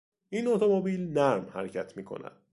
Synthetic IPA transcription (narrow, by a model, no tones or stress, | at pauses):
ʔinot̪ʰomobiːlnæɾmhæ̰ɾecʰæt̪ʰmiːkʰo̞̰næ̰d̪̥